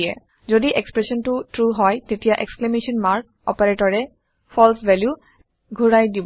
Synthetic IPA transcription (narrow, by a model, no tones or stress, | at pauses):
ɛ̰ | zodiʔekspɹɛsɔntʊtɹuɦɔjtetijaʔḛksklemesɔnmaɹk̚ɔ̰paɹetɔɹɛ | pʰɔlsvɛlju | ɡʱuɹajdib